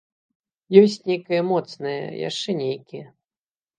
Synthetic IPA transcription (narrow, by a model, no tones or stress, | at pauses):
jɔsʲt͡sʲnʲejkɐjɐmɔt̪snɐjɐ̰ja̰ʂt͡ʂɛnʲejkʲijɛ